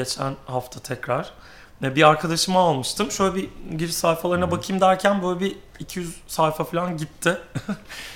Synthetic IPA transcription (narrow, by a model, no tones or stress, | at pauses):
et͡ʃʰænhaft̪ʰat̪ʰɛcɾaɾ̥ | ɛbiaɾkʰad̪aʃɯmaːlˠmɯʃt̪ʰɯmʃøjlʲɛbiɟiɾsajfalˠaɾɯnabakʰɯmd̪æɾcʰænbøjlʲɛbiː | cʰijyz̥sajfafilʲanɟit̪ʰːɪ